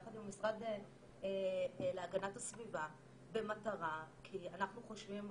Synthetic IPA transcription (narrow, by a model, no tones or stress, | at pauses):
aχad̪imamisʁad̪e | eleaɡanatasviva | be̞mataʁakʰianaχnuχo̞ʃvim